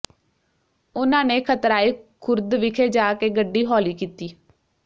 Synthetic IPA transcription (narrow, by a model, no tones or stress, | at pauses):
ʊnãːneːkʰət̪ɾaːiːkʰʊɾd̪ʋɪkʰeːd͡ʒaːkeːɡəɖːiːɦɔːliːkiːt̪iː